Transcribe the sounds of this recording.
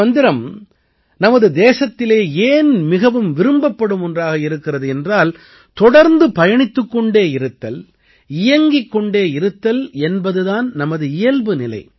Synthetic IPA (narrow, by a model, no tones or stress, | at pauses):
ɐnd̪ɪɾɐm | nɐmɐðɯd̪eːsɐt̪ːɪleːeːnmɪɣɐʋɯmʋɪɾɯmbɐpːɐɽɯmɔndraːɣɐɪɾɯkːɪrɐðɯɛndraːl | t̪ɔɽɐɾnd̪ɯpɐjɐɳɪt̪ːɯkːɔɳɖeːɪɾɯt̪ːɐl | ɪjɐŋɡɪkːɔɳɖeːɪɾɯt̪ːɐlɛnbɐðɯðaːnnɐmɐðɯɪjɐlbɯnɪlɐ̰ɪ